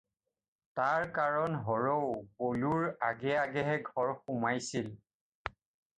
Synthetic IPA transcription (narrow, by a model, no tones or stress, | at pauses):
taɹkaɹɔnɦɔɹowkoluɹaɡɛaɡɛɦɛɡʱɔɹxʊmajsil